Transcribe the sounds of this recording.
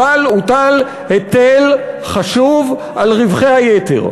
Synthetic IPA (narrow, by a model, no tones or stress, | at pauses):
alut̪al | het̪elχaʃuv | alʁivχehajet̪ḛʁ